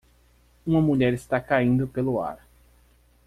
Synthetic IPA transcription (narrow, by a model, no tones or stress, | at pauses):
ũmɐmuʎɛɾɪst̪akaĩnd̪ʊpelʊa̰ɾ